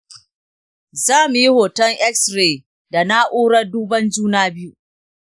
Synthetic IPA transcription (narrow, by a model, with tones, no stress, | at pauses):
zaː˦mu˨ji˦hoː˨tɐ˦ŋʔɛ˦ksɾeː˨ | da˨na˦ʔoː˦ɽɐ˦rduː˦bɐ˦nd͡ʒuː˦naː˦bɪ˦ju˦